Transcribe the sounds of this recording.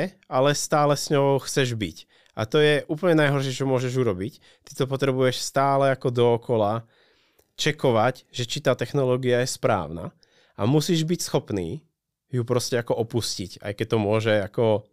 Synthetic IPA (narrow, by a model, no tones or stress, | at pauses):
ɛ | alɛst̪aːlɛsɲɔʊʊxt͡sɛʒbic | ʔa̰t̪ɔjɛʔuːpl̩ɲɛnajɦɔɾʃɛt͡ʃɔmʊɔʒɛʒuɾɔbic | t̪i̥t̪ɔpɔt̪ɾɛbujɛʃst̪aːlɛakɔd̪ɔːkɔla | t͡ʃɛkɔʋacʒɛt͡ʃit̪aːt̪ɛxnɔlɔːɡiajɛspɾa̰ːʊna̰ | a̰musiːʒbicsxɔpnḭː | jupɾɔscɛakɔʔɔpuscica̰jkɛc̚t̪ɔmʊɔʒɛakɔ